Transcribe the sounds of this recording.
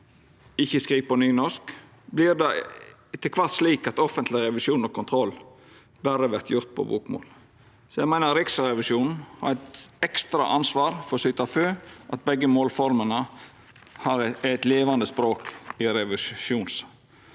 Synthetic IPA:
ɪçːəskɾiːpɔnyːnɔʂk | blɪɾd̪ɛ | t̪ɪlkʰʋɑɾt̪sliːkɑt̪ɔfənt̪ʰlɪɾɛʋɪʃuːnɔkʰʊnt̪ʰɾɔlː | bæɾəʋæɾt̪ʰjʊɾt̪̚pʰɔ̰bṵːkmo̰ːl | sɔjæɪɡmæɪnəɾɪksəɾɛʋɪʃuːnn̩hɑ̰ɾɛt̪ɛkst̪ɾɑ̰ʔɑnsʋɑːɾfɔɾsʏt̪ɑføːʔɑt̪̚bɛɡːəmoːlfɔɾmənə | hɑɾæt̪leːʋɑnd̪əspɾoːkɪɾɛʋɪʃuːns

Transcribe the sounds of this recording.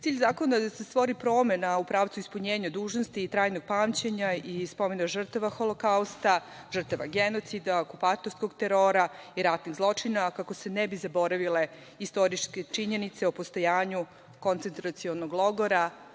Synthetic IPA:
t̪iːʎzaːkonad̪asest̪ʋo̞ɾipɾo̞ːmenaupɾaːʋt̪suispuɲeːɲad̪uːʒno̞st̪iːt̪ɾaːjnoɡ̥̚paːmt͡ɕeɲaispo̞menaʒr̩t̪aʋaxolˠokaust̪a | ʐr̩t̪aʋa̰ɡeno̞t̪sid̪aokupat̪oɾsko̞ɡt̪eɾoɾaiɾat̪niɣzlˠo̞t͡ʂinakako̞senɛbizabo̞ɾaʋile̞ | ist̪o̞ɾiʃke̞t͡ʂiɲe̞nit̪se̞opost̪o̞jaːɲu | ko̞nt̪e̞nt̪ɾat̪sionoɡlˠo̞ɡoɾa

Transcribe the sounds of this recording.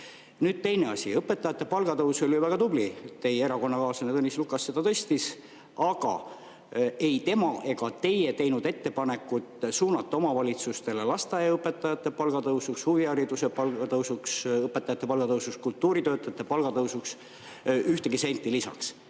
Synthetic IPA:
nyːd̪̥̚t̪e̞jne̞ɑsʲḭɤpːˑe̞t̪ːˑɑjɑt̪ːˑe̞pɑlɡ̥ɑt̪ɤwso̞ljuvæɡ̥ɑt̪ublit̪e̞jeeɾɑko̞nːɑkɑːsɑnet̪ɤnːislukːɑsːe̞d̪̥ɑt̪ɤ̞st̪is | ɑɡ̥ɑ̰ | e̞jt̪e̞mɑʔe̞ɡɑt̪e̞je̞t̪e̞jnud̪̥e̞t̪ːe̞pɑne̞kːˑut̪suːnɑt̪ˑːo̞mɑvɑlʲit̪sust̪e̞lelɑst̪ɑjɑɤpːˑe̞t̪ːˑɑjɑt̪ːe̞pɑlɡ̥ɑt̪ɤwsukshuviɑɾid̪use̞pɑlɡɑt̪ɤwsuksɤpːˑet̪ːˑɑjɑt̪ːepɑlɡ̥ɑt̪ɤwsuskult̪ːˑuːɾit̪øːt̪ːˑɑɑt̪ːˑe̞pɑlɡ̥ɑt̪ɤwsuks | yht̪e̞ɡise̞jnt̪ːˑilisɑ̰ks

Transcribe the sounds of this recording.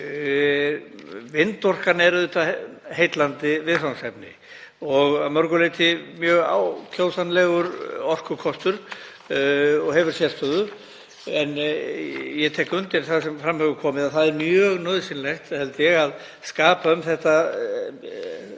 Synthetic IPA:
vɪnt̪ɔr̥kanɛɾʏðʏht̪ahejt̪lant̪ɪvɪðsawnsɛpnɪ̰ | ɔɣamœɾkʏlejt̪ʰɪmjœːɣa̰wkʰl̥oːwsanlɛɣʏɾɔr̥kʏkʰɔst̪ʏɾ̥ | ɔɣɦɛvʏɾ̥sjɛr̥st̪œðʏ | ɛnː | jɛt̪ʰɛːkʏnt̪ɪɾθaðsɛmfɾamhɛɣʏkʰɔːmɪðaθaðɛɾmjœːɣnœːðsɪnlejht̪hɛlt̪ɪjɛɣað | skaːpaʏmθɛht̪a

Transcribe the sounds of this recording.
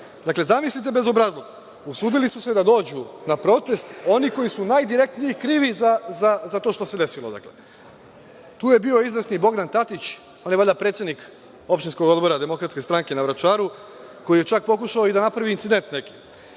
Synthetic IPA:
d̪akle̞zamislit̪̬e̞be̞zo̞bɾaːzlˠo̞ɡ | usuːd̪ilisuse̞d̪ad̪o̞ːd͡ʑunapɾo̞t̪e̞st̪o̞niko̞jisunajd̪iɾe̞k̚t̪nijikɾiːʋizazazat̪o̞ːʃt̪o̞se̞d̪e̞silˠo̞d̪a̰kle | t̪uːje̞bio̞izʋesnibo̞ɡd̪ant̪at̪it͡ɕ | onjeaʎapɾet̪sjed̪nik | o̞pʃt̪insko̞ɡo̞d̪bo̞ɾad̪e̞mo̞kɾat̪ske̞st̪ɾaŋke̞naʋɾat͡ʃaːɾu | ko̞jijet͡ʃak̚po̞kuʃaoid̪anapɾaʋiiːnt̪sid̪e̞nt̪ne̞ki̥

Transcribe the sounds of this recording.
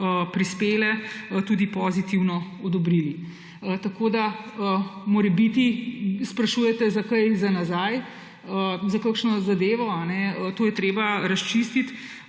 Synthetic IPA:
əpɾispeːlɛt̪uːd̪ipɔzit̪iwnɔɔd̪ɔbɾili | t̪akod̪aəmoɾɛbit̪ispɾɐʃujɛt̪ɛzakajzanazaj | əzakakʃnɔzad̪eːʋɔanɛət̪oːjɛt̪ɾeːbaɾɐst͡ʃist̪it̪

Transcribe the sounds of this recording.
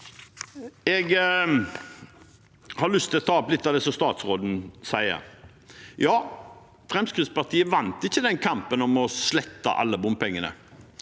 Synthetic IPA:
ɛɡ | hɑlʏst̪ʰːɪlɔt̪ʰɑːɔplɪt̪ːɑʋd̪ɛsɔmst̪ɑːt̪sɾoːd̪n̩sæɪə̰ɾ | jɑː | fɾɛmskɾɪd̪spɑʁt̪ʰiːəʋɑnt̪ɪçːəd̪ɛnkʰɑmpənɔmɔslɛt̪ːə̰ʔɑ̰lːəbʊmpʰɛŋːənə̰

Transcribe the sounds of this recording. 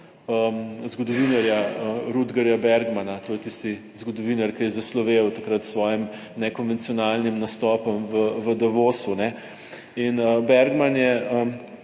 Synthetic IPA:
əmzɡɔd̪ɔʋinaɾjaəɾud̪ɡɐɾjabɛɾɡmanat̪oːjɛt̪ist̪i | zɡɔd̪ɔʋinaɾkɐjɛzaslɔʋewt̪akɾat̪sʋɔːjim | nɛkɔnʋɛnt̪sijɔnalnimnast̪ɔːpɔmʋəʋəd̪ɐʋoːsunɛ | inəbɛɾɡmanjɛəm

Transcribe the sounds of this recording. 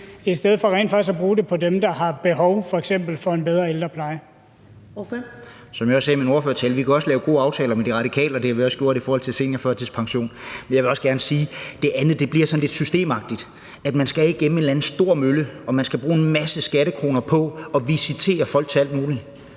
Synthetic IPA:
i̥sd̥eð̞̰ˠfɒ̽ʁḛːnd̥fɑ̈isæb̥ʁuːd̥e̝pʰɒ̽d̥emd̥ɑ̈ɦɑ̈b̥e̝ɦɒʊfɒ̽eɡ̥sem̰b̥l̩fɒ̽e̝nbeð̞ˠʁɐeld̥ʁɐpʰlɑ̈ɪ | sɒ̽mjɑɒ̽sɛːmino̝ɐføɐt͡sʰɛːlʋikʰæɒ̽səlɛːʊɡ̥o̝̰ːɑ̈ʊt͡sʰɛːlɐmed̥iʁɑ̈ɾ̥ikʰɛ̰ːlɐɒd̥e̝hæʋiɒ̽sɡ̥jo̝̰ɐ̰ɾifɒːhɒ̽l̰t͡sʰe̝lse̝̰ːnjɐføɐ̰t͡sʰe̝lspʰɑ̈ŋɕo̝̰ːnmenjaɪʋe̝ɒ̽sɡ̥æɐnəsiːd̥e̝ʔænð̩ˠd̥e̝b̥liɐsɒ̽nled̥sysd̥e̝̰ːmɑ̈ɡ̥̚d̥id̥ | æd̥mænsɡ̥ææiɡ̥enm̩e̝dlænð̩sd̥o̝ɐ̰møləɒ̽mænsɡ̥æb̥ʁuːenmæsəsɡ̥æɾəkʰʁo̝ːnɐpʰɒ̽ɒ̽ʋisit͡sʰe̝̰ːɐfɒ̽l̰ɡ̥̚t͡sʰe̝æl̰d̥̚muːli

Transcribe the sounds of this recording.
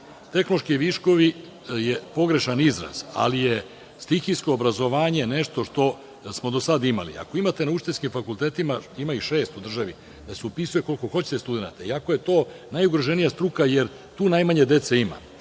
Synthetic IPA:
t̪e̞xnloʃkiʋiʃko̞ʋi | jepo̞ɡɾe̞ʃanizɾa̰z̥a̰lije | st̪ixisko̞ːbɾazo̞ʋaːɲe̞neʃt̪o̞ʃt̪o̞ | smo̞d̪o̞sad̪ima̰lḭa̰koimat̪e̞naut͡ʃt̪e̞skimfakulˠt̪e̞ːt̪imaimaiʃe̞ːst̪ud̪r̩ʒaʋi | d̪aseupisuje̞ko̞lˠko̞xo̞t͡ɕe̥t̪est̪ud̪e̞na̰t̪aiakoje̞t̪o̞ː | najuɡɾoʒe̞nijast̪ɾukajeɾ | t̪uːnajmaɲe̞d̪e̞t̪seima̰

